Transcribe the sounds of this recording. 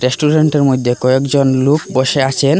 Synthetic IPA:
ɾesʈuɾeɳʈeɾmod̪ʱːekɔekd͡ʑonlukboʃeat͡ɕʰen

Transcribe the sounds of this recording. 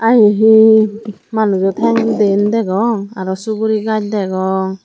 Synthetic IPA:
ajeɦi | manuzɔtʰɛŋdendɛɡɔŋaɾɔsuɡuɾiɡad͡ʒ̚dɛɡɔŋ

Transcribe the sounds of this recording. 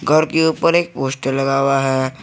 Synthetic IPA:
ɡʱəɾkeuːpəɾeːk̚poːsʈəɾlɐɡaːwaɦɛ

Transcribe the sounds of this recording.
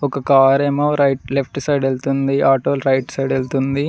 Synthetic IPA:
ɔkɐkaːɾemɐːɾɐjʈlepʰʈsɐjɖelt̪und̪iʔaːʈoːlɾɐjʈsɐjɖelt̪und̪i

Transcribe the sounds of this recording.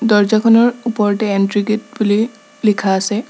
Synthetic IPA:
dɔɹzakʰɔnɔɹupɔɹʈɛːntɹiɡet̚buli | likʰaːsɛ

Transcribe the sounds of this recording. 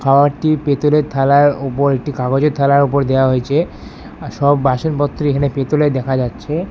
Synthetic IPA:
kʰaoaɾʈipet̪olet̪ʰalaɾopoɾek̚ʈikaɡod͡ʑeɾt̪ʰalaɾop̬oɾd̪eoaɦoet͡ɕʰe | ʃɔbːaʃonpɔt̪ːɾoekʰanepet̪oled̪ɛkʰad͡ʑatːɕʰe

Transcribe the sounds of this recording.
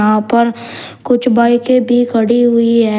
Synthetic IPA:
ɦãpɐɾ | kʊt͡ʃʰbaːikebʱikʰɐɽiɦʊiɦɛː

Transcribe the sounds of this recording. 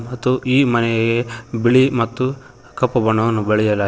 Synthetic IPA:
mɐt̪ːuʔiːmɐnɛɡebiɭimɐt̪ːu | kɐpːɐbɐɳɐʋɐnːubeɭɛjɐlaː

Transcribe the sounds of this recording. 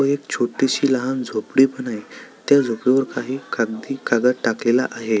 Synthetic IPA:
əek̚t͡ɕʰoʈiɕiːləɦand͡zʱopɽiːpəɳait̪jad͡zʱopɽiʋəɾkaɦiːkaɡ̚d̪iːkaɡəʈaklela̰ʔaɦe

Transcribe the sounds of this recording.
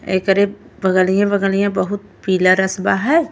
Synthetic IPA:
ḛːkəɾe | bəɡəlijãbəɡəlijãbəɦʊt̪̚piːlaɾəsbaɦɛː

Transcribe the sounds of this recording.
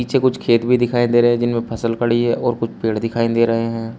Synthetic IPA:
iːt͡ʃʰekʊt͡ʃʰkʰeːt̪bʱid̪ɪkʰaːẽnd̪eːɾɐɦɛ̃d͡ʒɪnmẽpʰɐsəlkɐɽiɦɛ̃ʔɔːɾkʊt͡ʃʰpeːɽd̪ɪkʰaːẽnd̪eːɾɐɦeɦɛ̃ː

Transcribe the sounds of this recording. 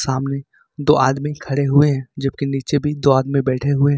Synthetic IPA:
saːmne | d̪oːʔaːd̪mĩkʰɐɽeɦʊeɦɛ̃ːd͡ʒɐb̚kiniːt͡ʃebʱid̪oːaːd̪mĩbɛːʈʰeɦʊeɦ

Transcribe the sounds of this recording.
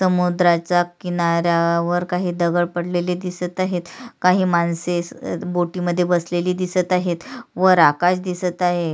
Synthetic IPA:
səmud̪ɾat͡ɕakinaɾjaʋəɾkaɦiːd̪əɡəɭpəɽleliːd̪isət̪aɦet̪kaɦiːmansesboʈiːməd̪ʱːjebəsleliːd̪isət̪aɦet̪ʋəɾakaɕd̪isət̪aɦe

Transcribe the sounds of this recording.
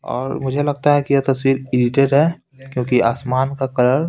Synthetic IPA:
ɔ̰ːɾmʊd͡ʒʱelɐɡ̚t̪aɦɛkijet̪ɐswiːɾɪɖɪʈeːɖɦɛː | kjõːkiaːsmaːnkakɐləɾ

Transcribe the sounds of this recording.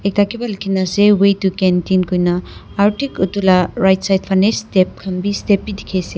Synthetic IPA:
ek̚takʰibɐlkʰinɐsewejtukentinkʰojnɐ | aɾtikutulaɾajtsajt̚pʰanestep̚kʰɐmbistepːidikʰese

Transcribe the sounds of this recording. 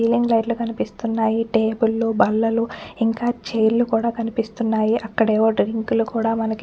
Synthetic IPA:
iːliŋɡlɐjʈlukɐnipist̪unːaːjiʈeːbulːubɐlːɐluiŋkaːt͡ʃejɾlukuːɽaːkɐnipist̪unːaːjiʔɐkːɐɽeːʋoːɖɾiŋklukuːɽaːmɐnɐki

